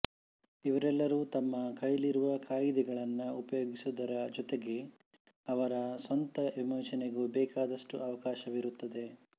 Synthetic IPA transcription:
iʋɐɾɛlːɐɾuːt̪ɐmːɐkɐjliɾuʋɐkʰaːjid̪ɛɡɐɭɐnːɐupɐjoːɡisud̪ɐɾɐd͡ʒɔt̪eɡe̞ | ɐʋɐɾɐsɐnt̪ɐʋimɐːt͡ʃɐneɡubɛːkaːd̪ɐʂʈuʔɐʋɐkaːʃɐʋiɾut̪ːɐd̪e̞

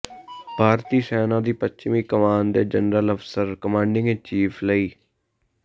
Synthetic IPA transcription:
bʱaːɾt̪iːsɛːnãːd̪iːpətt͡ʃmiːkəmaːnd̪eːd͡ʒənɾələfsəɾkəmãːɳɖɪ̃ŋɡt͡ʃiːpʰləiː

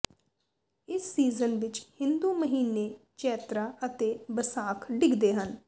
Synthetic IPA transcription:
ɪsːiːzənʋɪt͡ʃhɪ̃nd̪uːməɦiːneː | t͡ʃɛːt̪ɾaːət̪eːbəsaːkʰɖɪɡd̪eːɦən

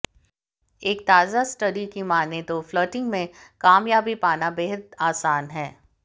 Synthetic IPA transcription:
eːk̚t̪aːzasʈəɖikimaːnet̪ofloːʈɪ̃ŋɡmẽkaːmjaːbipaːnabeːɦəd̪aːsaːnɦɛː

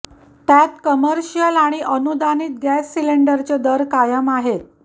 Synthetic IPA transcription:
t̪jat̪kəməɾɕijəlaɽ̃iʔənud̪aniːt̪̚ɡæsːileɳɖəɾt͡ɕed̪əɾkajəmaɦet̪̚

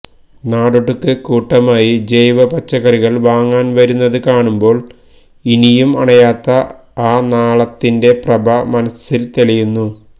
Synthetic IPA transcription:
naːɽuʈːukːɨkuːʈːɐmaːjid͡ʑejʋɐpɐt͡ɕːɐɣɐriɣɐɭʋaːŋːaːnʋɐɾunːɐðɨkaːɳumbo̞ːɭ | inijumɐ̰ɳɐjaːt̪ːɐ | aːnaːɭɐt̪ːinde̞prɐbʱɐmɐnɐsilt̪ilɐjunːu

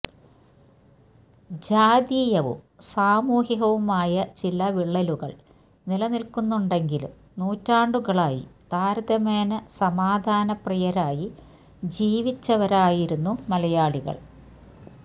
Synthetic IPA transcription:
d͡ʑaːd̪iːjɐʋṵm | saːmuːɦiɦɐʋumaːjɐt͡ɕilɐʋiɭːɐluɣɐ̰ɭ | nilɐnilkunːuɳɖe̞ŋɡilum | nuːtːaːɳɖuɣɐɭaːjḭt̪aːɾɐd̪ɐmeːnɐsɐmaːd̪ʱaːnɐprijɐɾaːji | d͡ʑiːʋit͡ɕːɐʋɐɾaːjiɾunːumɐlɐjaːɭiɣɐ̰ɭ

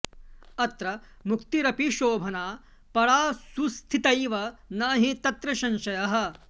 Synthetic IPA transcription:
ɐt̪ɾɐ | mukt̪iɾɐpiʃoːbʱɐnaː | pɐɽaːsust̪ʰit̪ɐjʋɐnaːɦit̪ɐt̪ɾɐʃɐnʃɐjɐɦɐ̆

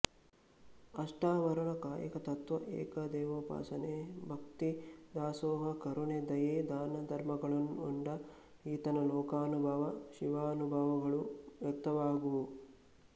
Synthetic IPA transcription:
ɐʂʈaːʋɐɾɐɳɐkaːjɐ̰kɐt̪ɐt̪ʋɐʔḛːkɐd̪ɛːʋopa̰ːsɐneːbʱɐkt̪id̪aːsoːɦɐkɐɾuɳed̪ɐjeːd̪aːnɐd̪ʱɐɾmɐɡɐɭɐnuɳɖɐ | iːt̪ɐnɐlɔːkaːnubʱɐʋɐʃiʋaːnubʱaːʋɐɡɐɭuʋjɐk̚t̪ɐʋaːɡu

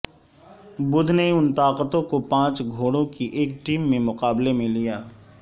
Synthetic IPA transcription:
bʊd̪ʱneʊnt̪aːqət̪õkopãːt͡ʃɡʱoːɽõkiʔeːkʈiːmːẽmʊqaːblemẽlijaː

